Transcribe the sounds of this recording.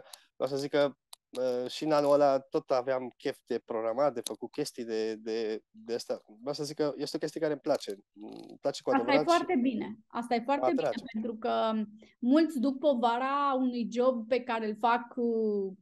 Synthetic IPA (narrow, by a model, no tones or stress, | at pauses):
mʔawsəzikə | əʃinanuəlat̪o̞t̪aveamkʲe̞fd̪e̞pɾoɡɾamat̪̚d̪e̞fəkut̪̚kʲe̞st̪ijd̪ed̪e̞d̪east̪aveawsəzikəjest̪eokʲest̪ijekaɾemplat͡ʃe̞plat͡ʃe̞kuaasemajefoart̪e̞bine̞a̰st̪ajefoart̪e̞biepe̞nt̪ɾukəmult̪sʲd̪uk̚po̞vaɾaunujd͡ʒo̞b̚pe̞kaɾelfak